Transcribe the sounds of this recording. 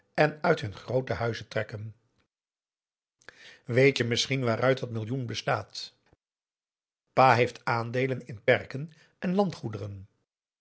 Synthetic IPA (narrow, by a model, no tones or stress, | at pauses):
ɛnœɥtɦɵnχrowtəɦœɥzətrɛkən | ʋejtjəmɪsχinʋaːɾœɥtdɑtmɪlˠjunbəstaːt | paːɦejftaːndejlənɪnpɛɹkən | ʔɛnlɑntχudərən